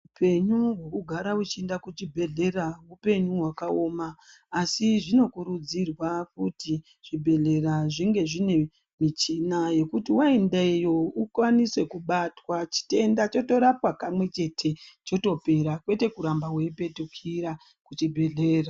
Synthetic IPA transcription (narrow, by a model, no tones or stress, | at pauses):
upʰe̞ɲuɦwe̞kuɡʱaɾaut͡ʃiendakut͡ʃibʱe̞ɮe̞raɦupe̞ɲuɦwakao̞ːmaː | siʐino̞kuɾud͡zirwak̚uti | ʐ̥ibʱe̞ɮe̞raʐiŋɡe̞ʐine̞ | mit͡ʃinaje̞kutiwaendejoukwanise̞kuɓatwat͡ʃi̥te̞ndat͡ʃo̞to̞ɾapwapamwe̞t͡ʃe̞tʰe̞t͡ʃo̞to̞pe̞ɾakwe̞te̞kuɾambaweipe̞tukʰiɾa | kut͡ʃibʱe̞ɮeːra